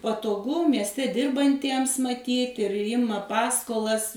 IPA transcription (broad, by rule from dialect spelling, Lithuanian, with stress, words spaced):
pɐtoːˈɡʊ mʲiɛsʲˈtʲɛ ˈdʲɪrbɐnʲtʲiɛms mɐˈtʲiːt ɪr ˈjɪmɐ ˈpɑːskoːlˠɐs